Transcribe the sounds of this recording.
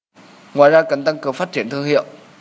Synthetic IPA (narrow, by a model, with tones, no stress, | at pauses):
ŋwa̰ː˧˨jzaː˧ka˨˧˩ŋt̪a˧ŋkɨ˨˩əŋfaː˦˥t̚t͡ɕi˧˩ənt̪ɨ˧əŋhḭ˧˨əwʔ